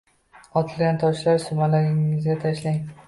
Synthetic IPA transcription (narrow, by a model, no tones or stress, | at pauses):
ɒt̪ʰɪlˠɡʲant̪ʰɒʃlaɾsʊmalaɾɪŋɪzɡʲat̪ʰaʃlaŋ